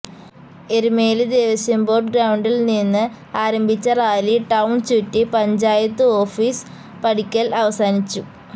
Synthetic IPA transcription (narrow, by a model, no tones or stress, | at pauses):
e̞ɾumeːlɨd̪eːʋɐsjɐmbo̞ːrɖɡɾɐwɳɖilninːɨ | aːɾɐmbʱit͡ɕːɐraːliʈɐwɳt͡ɕutːipɐɲd͡ʑaːjɐt̪ːɨo̞ːfiːs | pɐɽikʲːɐlɐʋɐsaːnit͡ɕːu